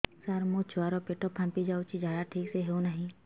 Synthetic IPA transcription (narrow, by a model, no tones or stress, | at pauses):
saɾmot͡ʃʰʊwaɾopeʈɔpʰːãmpid͡ʒaːut͡ʃʰid͡ʒjaːd̪aʈʰiːkseɦeunaɦĩ